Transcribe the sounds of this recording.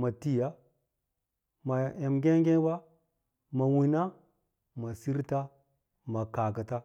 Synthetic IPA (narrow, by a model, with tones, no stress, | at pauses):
ma˨ti˦ja˦ | ma˨je˨mɡʲe˦ɡe˦ba˦ | ma˨wi˨na˦ | ma˨si˦ɾta˦ | ma˨ka˨kə˨ta˦